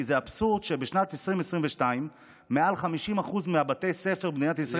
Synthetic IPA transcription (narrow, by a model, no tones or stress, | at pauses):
zeabsuʁd̪ʃebeʃnat̪esʁimesʁimveʃtaimː | ealχamiʃimaχuzmeabat̪e̞jse̞feʁbnijatisʁa